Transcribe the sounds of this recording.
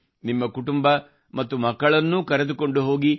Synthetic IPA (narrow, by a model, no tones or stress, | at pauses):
nimːɐkuʈumbɐ | mɐt̪ːumɐkːɐɭɐnːukɐɾed̪uko̞ɳɖuɦo̞ːɡi